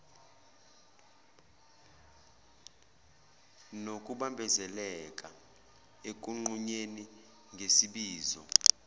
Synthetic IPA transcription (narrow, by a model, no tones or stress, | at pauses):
nok̬ʼuɓambʱɛzɛlɛk̬ʼa | ek̬ʼuŋ͡ǃuɲeni | ŋʱesiɓiːzɔ̰